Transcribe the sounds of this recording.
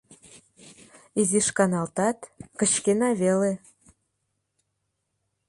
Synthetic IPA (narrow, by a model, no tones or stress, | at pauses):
iziʃkɑnɑlt̪ɑt̪kə̆t͡ɕkenɑβele